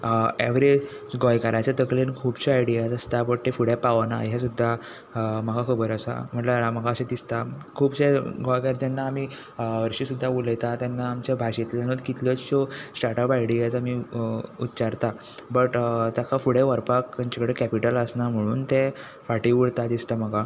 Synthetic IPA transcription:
ḛʋɾe | ɡɔjkaɾat͡ɕat̪əklenkʰuːbɕeajɽijad͡zəst̪abəʈ̚t̪efuɽepaʋna̰ɦjasud̪ʱːa | məɡakʰəbəɾəsa̰m̤əʈlaɾaməɡaɕed̪ist̪a | kʰuːbɕeɡɔjkaɾt̪anːaːmiː | ʋəɾɕiːsud̪ʱːauləjt̪at̪janːaːmt͡ɕjabʱaɕet̪ljanəd̪kit̪lət͡sɕɔsʈaɾʈəpajɽijat͡samiut̪ːt͡ɕaɾt̪a | bəʈt̪jakafuɽeʋəɾpak̪aɲt͡ɕakəɽekæpiʈələsnam̤əɽ̃uːnt̪ɛ̃ | faʈiʋuɽt̪ad̪ist̪aməɡa

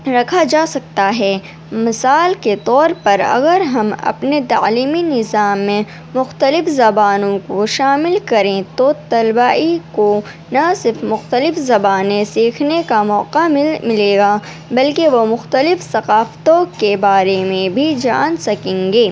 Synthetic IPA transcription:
ɾɐkʰad͡ʒaːsɐk̚t̪aɦɛː | mɪsaːlket̪ɔːɾpɐɾɐ̰ɡəɾɦɐmɐ̰pnet̪aːliːminɪzaːmːẽ | mʊxt̪əlɪfzɐbaːnõkoʃaːmɪlkɐɾẽt̪ot̪ɐlbaːiko | nasɪɾfmʊxt̪əlɪfzɐbaːnẽsiːkʰnekamɔːqamɪleːɡaː | bɐlkeʋomʊxt̪əlɪfsɐqaːft̪õkebaːɾemẽbʱid͡ʒa̰ːnsɐkẽːŋɡeː

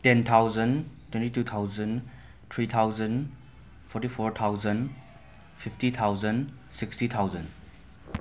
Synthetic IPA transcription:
tent̪ʰawzəntʰwɛ̃ntitut̪ʰawzən | t̪ʰɾit̪ʰawzən | pʰɔɾtipʰoɾt̪ʰawzən | pʰipʰtit̪ʰawzən | sikstit̪ʰawzən

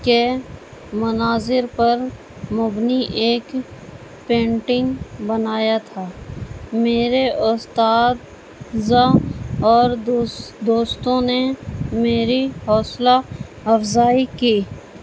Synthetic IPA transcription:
ke | mʊnaːzɪɾpɐɾ | mʊbniʔeːk | pẽːɳʈɪ̃ŋɡbənaːjat̪ʰaːmeːɾeʔʊst̪aːd̪ | zãɔːɾd̪oːst̪õnemeːɾihɔːsla | ɐfzaːikiː

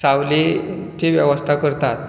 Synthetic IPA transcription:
saʋle | t͡ɕeʋjəʋəst̪ʰakəɾt̪at̪

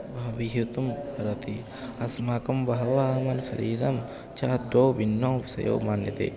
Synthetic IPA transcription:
bʱɐʋiɦit̪umɐɾɐt̪i | ɐsmaːkɐmbɐɦɐʋaːmɐnsɐ̰ɾiːɾɐm | t͡ʃaːd̪oːʋinːõːʋɐsɐ̰jo̰ːmaːnjɐt̪ḛː

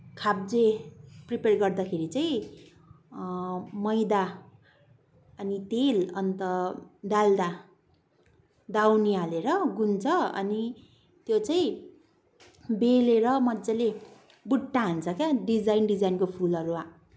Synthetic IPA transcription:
kʰab̚d͡zepriperɡʌrd̪akʰeɾit͡saĩ | mʌjd̪a | ʌnit̪elʌnt̪ʌd̪ald̪a | d̪awnialeɾʌɡunt͡sʰʌʌ̰ni | t̪jot͡saĩ | beleɾʌmʌd͡zale | buʈːaɦunt͡sʰʌkjaɖid͡zajnɖid͡zajnkopʰulʌɾua

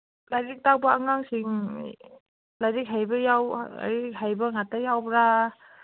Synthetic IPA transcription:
lajɾik̚tawbaaŋaŋsiŋ | lajɾik̚ɦajbɐjawa̰jɾik̚hajbaŋatajawbɾa

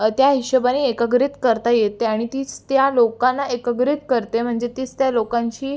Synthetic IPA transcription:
t̪jaɦiɕəbaniekəɡɾit̪kəɾt̪ajet̪eaɽ̃it̪iːt͡st̪jalokanːaʔekəɡɾit̪kəɾt̪em̤əɳd͡zet̪iːt͡st̪jalokãɲt͡ɕiː

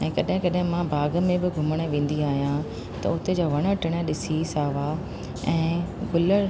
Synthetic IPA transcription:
ɛ̃ːkɐɗɦɪ̃kɐɗɦɪ̃mãbʱaːɡəmẽbɪɡʱʊməɽ̃ə̆ʋẽːn̆d̪iaːɦijã | t̪ɐ̰ʊt̪ed͡ʑaːʋɐɽ̃ə̆ʈɪɽ̃əɗɪsisaːʋa | ɛ̃ːɡʊlə

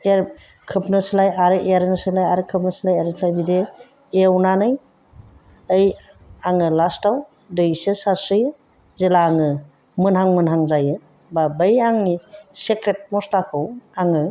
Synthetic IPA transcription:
eɾ | kʰɯpnɯslajaɾɯʔeɾnɯsɯlajaɾɯkʰɯp̚nɯsilajaɾnslajbide | ewnanɯj | əj | aŋɯlastaw | dɯjsɯsaɾsɯjɯ | zilaːŋɯ | mɯnɦaŋmɯnɦaŋzajɯ | babɯjaŋnisekɾet̚mɔslakʰɯwaŋɯ

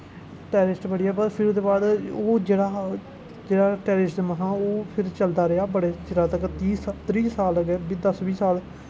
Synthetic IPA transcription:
ʈɛːɾɪsʈbəɽiːaːbəɾpʰɪɾd̪eːbaːd̪oːd͡ʒeːɽaː | d͡ʒeːɽaːʈɛːɾɪsʈməɦãːoːpʰɪɾt͡ʃəld̪aːɾeaːbəɽeːt͡ʃɪɾaːt̪əkt̪iːst̪ɾiːsaːləɡɛbid̪əsʋiːsaːl

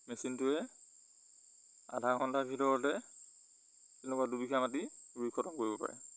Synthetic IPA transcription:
mesintʊɛ | a̰dʱaɹxɔntʰabʱitɔɹɔtɛ | tenɛkuadubikʰamat̬ibɹikʰɔtɔnkoɹibɔpa̰ɹɛ̰

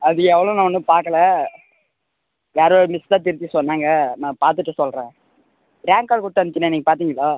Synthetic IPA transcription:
ɐðɯɛʋːɐɭõːnãːɔnːɯpaːɾkɐlɐ | ʋjaːɾoːɾɯmɪst̪ãːt̪ɪɾɯt̪ːisɔnːaːŋɡɐnãːpaːɾt̪ɯʈːɯsɔlɾẽː | ɾjaːŋkaːɭkʊɽʈːɯʋɐnɯt͡ʃ̪ːɪnːeniːŋɡɐpaːɾt̪iːŋɡɐɭaː

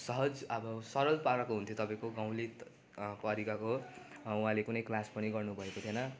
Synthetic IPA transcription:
sʌɦʌd͡zʌbʌsʌɾʌlpaɾʌkoɦunt̪ʰjot̪ʌpãĩkoɡãw̃li | pʌɾikakoũɦãlekunʌjklaspʌniɡʌrnubʱʌekot̪ʰjenʌ

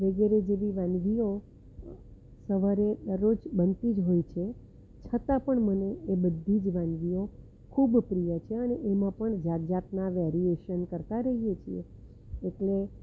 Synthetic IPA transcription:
ʋəɡɛɾed͡ʒeʋiʋãnʋio | səʋaɾed̪əɾot͡ʃbənt̪id͡ʒɦojt͡ʃʰe | t͡ʃʰət̪ãpəɳməneebəd̪ʱːid͡ʒʋãnʋio | kʰubpɾijət͡ʃʰeəneʔemãpəɳd͡ʒat̪̚d͡ʒat̪naʋɛɾieʃənkəɾt̪aɾəɦijet͡ʃʰiḛ | eʈle

